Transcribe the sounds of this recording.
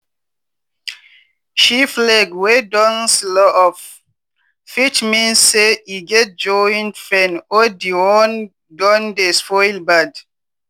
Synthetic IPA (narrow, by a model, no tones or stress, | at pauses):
ʃiflɛɡwedɔ̃nslɔʔɔf | fit͡ʃmĩnsːeiɡɛt̚d͡ʒɔĩnfɛ̃nodiwɔn | dɔ̃ndespɔjlbad